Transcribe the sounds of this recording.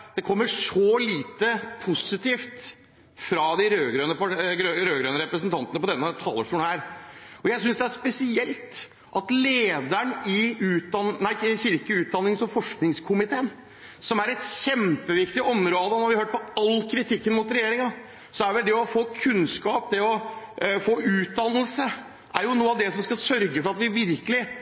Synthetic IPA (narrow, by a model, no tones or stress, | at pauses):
d̪̥ɛkʰɔmːəʂɔliːt̪əpʰʊsɪt̪ʰiːft̪ | fɾɑd̪ɪɾøːɡɾøːnəpɑɡɾøɾøːɡɾøːnəɾɛpɾəsənt̪ʰɑnt̪ənəpʰɔd̪ɛnːət̪ʰɑ̰ːləʈuːnhæːɾɔjæɪs̬ʏnsd̪ɛæʂpɛsɪɛlt̪ | ʔɑt̪leːd̪æɳɪʉːt̪̚d̪ɑnnæɪçɪɾkəʉːt̪̚d̪ɑnːɪŋsɔfɔʂknɪŋskʰʊmɪt̪ʰeːən | sɔmæɾɛt̪çɛmpəʋɪkt̪ɪʔɔmɾoːd̪ənɔɾʋɪhøːʈ̚pʰɔɑlːkʰɾɪt̪ʰɪkːənmʊːt̪ɾɛjeːɾɪŋɑ | sɔæʋɛld̪ɛɔfoːkʰʉnskɑːpd̪ɛɔfoːʔʉːt̪̚d̪ɑnəlsə | ʔæɾjʊnuːɑʋd̪ɛsɔmskɑsœɾɡəfɔɾɑt̪ʋɪʋɪɾkəlɪ